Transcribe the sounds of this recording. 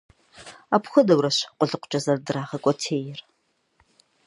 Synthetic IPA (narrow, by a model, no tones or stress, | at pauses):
apxʷʊdɐwrɐɕqʷʼʊɮɨqʷʊ̥t͡ʃʼɐzɐrdɨraːʁɐkʷʼɔtʰeːjɪr